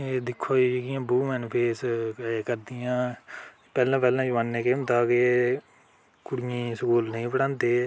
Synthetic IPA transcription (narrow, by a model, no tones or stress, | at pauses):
eːd̪ɪkʰːoːd͡ʒekɪjãːbuːmɛ̃ːnpʰeːskəɾd̪ɪjãː | pɛːlãːpɛːlãːd͡ʒʋaːnːẽːkẽːnd̪aːke | kʊɽɪjĩːsəkuːlnĩːpəɽãːnd̪eː